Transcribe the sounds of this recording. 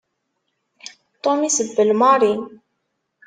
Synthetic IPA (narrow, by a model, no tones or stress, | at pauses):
t̪omisəbːəlmɑɾin